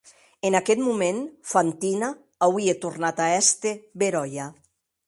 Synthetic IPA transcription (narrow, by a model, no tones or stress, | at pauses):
enakɛt̪mumenfant̪inaː | wiet̪urnat̪aɛst̪eβeɾɔja